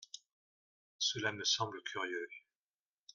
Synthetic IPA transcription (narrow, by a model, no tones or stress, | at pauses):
səlaməsɑ̃bləkʲʰyʁjø